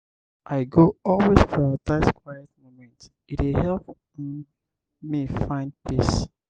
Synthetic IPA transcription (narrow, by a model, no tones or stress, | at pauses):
ʔaɪɡoɔlˠwesfɔataskʰwajɛt̚momɛ̃nt | itwɪhɛlp | mifãɪ̃nd̚pis